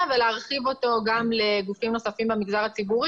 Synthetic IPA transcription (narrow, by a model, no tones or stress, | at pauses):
veleaʁχivo̞to̞ɡamle̞ɡufimno̞safimbemiɡzaʁat͡sibuʁi